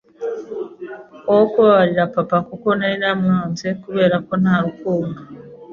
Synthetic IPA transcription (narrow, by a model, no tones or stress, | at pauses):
owkuβaβaɾiɾapapakokonainamaːnzekuβe̞ːɾako̞naaɾukuːmɡa